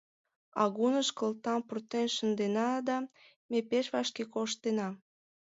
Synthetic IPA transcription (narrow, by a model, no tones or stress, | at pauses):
ɑɣunəʃkəlt̪ɑmpurt̪enʃənd̪enɑd̪ɑ | mepeʃβɑʃkekoʃt̪enɑ